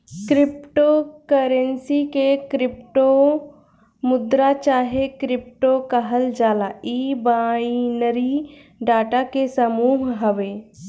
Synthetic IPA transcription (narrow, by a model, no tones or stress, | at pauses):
kɾɪpʈokəɾənsikekɾɪpʈo | mʊd̪ɾat͡ʃaːɦekɾɪp̚ʈokɐɦəld͡ʒaːlaiːbaːinəɾi | ɖaːʈakesɐmuːɦɦɐʋeː